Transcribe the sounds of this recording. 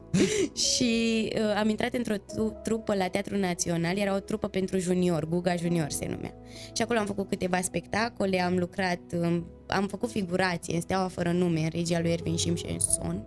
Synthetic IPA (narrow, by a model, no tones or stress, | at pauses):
ʃiəamint̪ɾat̪ɨnt̪ɾo̞t̪ɾupəlat̪eat̪ɾunat̪sio̞nalje̞ɾao̞t̪ɾupəpe̞nt̪ɾuʒunio̞rɡuɡaʒunio̞rsḛnṵmḛa̰ | ʃiako̞loamfəkut̪̚kɨt̪e̞vaspe̞kt̪ako̞le̞amlukɾat̪ɨ | a̰mfəkut̪fiɡuɾat̪sijeɨnst̪eawafəɾənume̞ɨnɾʔed͡ʒialujervinʃimʃḛnso̞̰n